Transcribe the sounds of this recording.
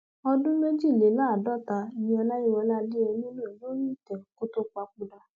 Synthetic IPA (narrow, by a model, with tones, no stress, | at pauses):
ɔ˧dũ˦me˦d͡ʒi˦˨le˨˦la˦˨dɔ˦˨ta˧i˦˨nĩ˧˦ɔ˧la˦ji˦wɔ˧la˦di˦ɛ˧nĩ˦nũ˦ɛ˨lo˦ɾi˦˨tɛ˨ko˦to˦k͡pa˧k͡pu˧da˧